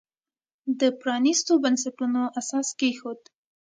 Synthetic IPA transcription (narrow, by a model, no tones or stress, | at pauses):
d̪əpɾɑnist̪obansaʈunoʔasɑskexod̪